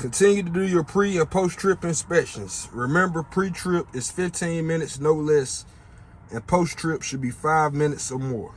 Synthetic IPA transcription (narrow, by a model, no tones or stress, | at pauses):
kʰɨ̃ntʰɪ̃njɨɾɨdɨjə˞pʰɹ̥iɨ̃pʰoʊstʰɹ̥ɪpɨ̃nspɛkʃɨ̃nz̥ɹɪmɛ̃mbə˞pʰɹ̥itʰɹ̥ɪpɨz̥fɪftʰĩnmɪ̃nɨtsnoʊlɛs | ɨ̃npʰoʊstʰɹ̥ɪpʃɨd̚bifaɪvmɪ̃nɨtsəmɔ̰ɹ